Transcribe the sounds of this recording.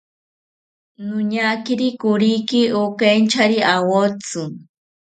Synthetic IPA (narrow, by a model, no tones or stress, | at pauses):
nʊɲakiɾikʊɾikiokent͡ʃaɾiawot͡su